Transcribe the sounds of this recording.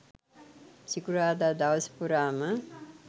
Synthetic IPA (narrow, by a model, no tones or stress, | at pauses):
sikuɾaːd̪aːd̪aʋəspuɾaːmə